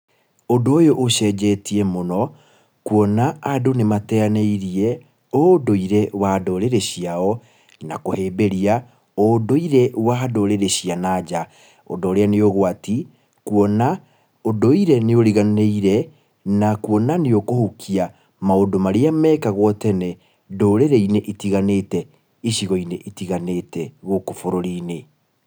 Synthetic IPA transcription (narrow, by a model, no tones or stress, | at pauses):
ondoːjoʔːɕɛd͡ʒɛtiɛmonɔ | kuɔnaːdonematɛaneiɾiɛ | odoiɾɛwadoɾeɾeɕiaɔ | na̰koheːbeɾia | odoiɾɛwadoɾeɾeɕianad͡ʑa | ɔ̰doːɾeaneoɣwati | kuɔna | odoiɾɛneoɾiɣaneiɾɛ | nakuɔnaneokohukʰia | maodomaɾeamɛːkaɣwɔtɛnɛ | doːɾeɾɛineʔitiɣanetɛ | iʃiɣɔineʔitiɣaneːtɛɣokofoɾoɾiːne